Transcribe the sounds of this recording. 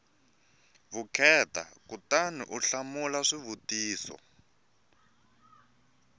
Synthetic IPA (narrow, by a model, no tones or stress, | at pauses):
βukʰɛta̰kutanḭʔuɬamulaʂiβutiːsɔ̰